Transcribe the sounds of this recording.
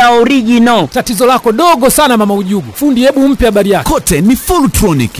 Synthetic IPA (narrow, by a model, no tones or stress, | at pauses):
auɾiɡinɔtatizɔlakɔɗɔɡɔsanamamauʄuɡufundiɛɓum̩piaɓaɾijakkɔtɛnifulutɾɔnḭk